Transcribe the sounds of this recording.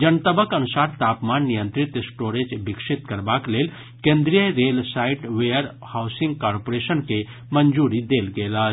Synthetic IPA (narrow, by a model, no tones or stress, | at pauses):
d͡ʒənt̪əbəkənusaɾt̪apmanːijənt̪ɾit̪sʈoɾed͡ʒbikʃit̪kəɾbaklel | kẽnd̪ɾijəɾelsaiʈʋejəɾ | hawsĩŋɡkaɾpoɾesənke | mənd͡ʒuɾid̪elɡelə